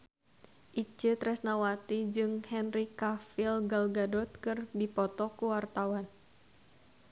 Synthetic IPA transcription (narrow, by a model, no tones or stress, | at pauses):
ʔit͡ʃɨt̪ɾɛsnawat̪id͡ʒɨŋhɛnɾikafilɡalɡadɔt̪̚kɨrdipɔt̪ɔkuwart̪awan